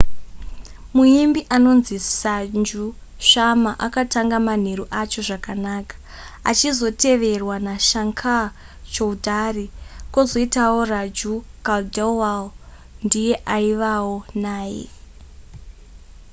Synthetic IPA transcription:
muimbiʔano̞nzisand͡ʒu | ʃamaʔakataŋɡaman̤e̞ɾuʔat͡ʃo̞ʐakanaːkḁ | a̰t͡ʃizo̞te̞ʋe̞rwanaʃaŋkʰa | t͡ʃoudʱariko̞zo̞itawo̞rad͡ʒukaldelwal | ndije̞ʔaiʋawonaːjḛ

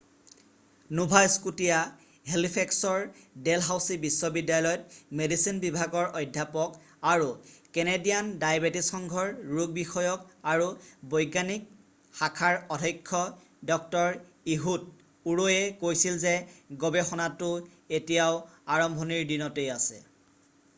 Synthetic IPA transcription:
nubʱajskutija | ɦelipʰɛksɔɹdelɦawsibisːɔbidːajlɔjɔt̚medisinbibʱaɡɔɹʔɔjdʱjapɔk | aɹukenedijandajbetisɔŋɡʱɔɹɹuɡ̚bixɔjɔkaɹubɔjɡanik̚ | xakʰaɹɔdʱɔjkʰːɔ | dɔk̚tɔɹ | iɦut̚ | uɹojɛkojsilzeɡɔbɛxɔnatʊ | etijaʊaɹɔmbʱɔniɹdinɔtejasɛ̰

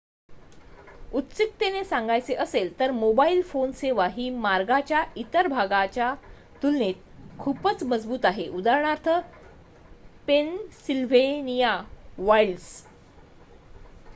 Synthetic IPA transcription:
ut̪sik̚t̪enesãŋɡajt͡seʔəselt̪əɾmobailfonseʋaɦiːmaɾɡat͡ɕjait̪əɾbʱaɡat͡ɕja | t̪ulnet̪̚kʰupət͡sməd͡zbuːt̪aɦeʔud̪aɾɳ̃aɾt̪ʰə | pensilʋenijaʋails

